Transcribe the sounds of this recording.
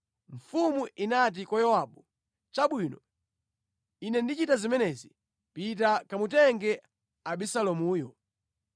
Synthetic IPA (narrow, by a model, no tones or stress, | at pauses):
ɱfumuʔinat̬ikɔjɔwaɓu | t͡ʃaɓwinɔ | inɛndit͡ʃitazimɛnɛzi | pit̬akamutɛŋɡɛ | aɓisalɔmuːjɔ